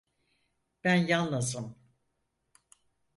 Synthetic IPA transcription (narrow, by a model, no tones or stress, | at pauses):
b̥ænjanlˠazɯm